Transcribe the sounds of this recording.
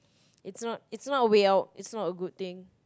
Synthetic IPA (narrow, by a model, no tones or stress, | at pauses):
itsnɔt̚itsnɔtəweawt̚ḭtsnɔtəɡud̚t̪ɪ̃ŋ